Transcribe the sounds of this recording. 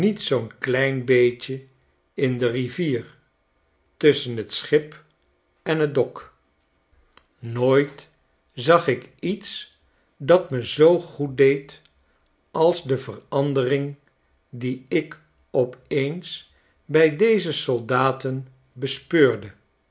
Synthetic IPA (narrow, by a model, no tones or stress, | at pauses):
nitsownklɛjnbejt͡ʃə | ɪndəriviːr | tɵsənɦətsχɪp | ɛnɦədɔk | noːjt | zɑχɪkits | dɑtməzowχut̚dejt | ʔɑlˠzdəvərɑndərɪŋ | diɪk | ɔpejns | bɛjdejzəsɔlˠdaːtən | bəspøːɹdə